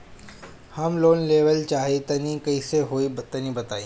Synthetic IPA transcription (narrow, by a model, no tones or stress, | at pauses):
hɐmloːnleːʋəlt͡ʃaːɦet̪ɐnĩkɐiseɦoːit̪ɐnĩbɐt̪aːiː